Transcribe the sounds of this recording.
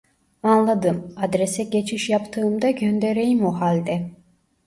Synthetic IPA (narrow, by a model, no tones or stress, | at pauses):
anlˠad̪ɯmad̪ɾesɛɟe̞t͡ʃʰiʃjapt̪ʰɯːmd̪aɟønd̪e̞ɾejimuɦalʲd̪ɛ